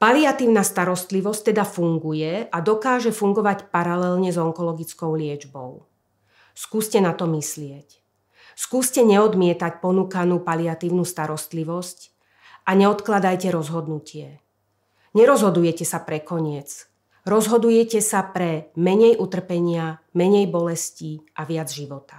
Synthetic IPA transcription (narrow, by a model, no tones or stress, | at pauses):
paliat̪iːʊnast̪aɾɔst̪liʋɔsct̪ɛd̪afuŋɡujɛad̪ɔkaːʒɛfuŋɡɔʋacpaɾalɛlɲɛzɔŋkɔlɔɡit͡skɔʊlɪɛd͡ʒbɔ̰ʊ | skuːscɛnat̪ɔmislɪɛc | skuːscɛɲɛɔd̪mɪɛt̪acpɔnuːkanuːpaliat̪iːʊnuːst̪aɾɔst̪liʋɔsc | ʔaɲɛɔt̪klad̪ajcɛɾɔzɦɔd̪nucɪɛ | ɲɛɾɔzɦɔd̪ujɛcɛsapɾɛkɔɲɪɛt͡s | ɾɔzɦɔd̪ujɛcɛsapɾɛmɛɲɛjʔut̪r̩pɛɲɪa | mɛɲɛjbɔlɛsciʔaʋɪad͡zʒiʋɔt̪ḁ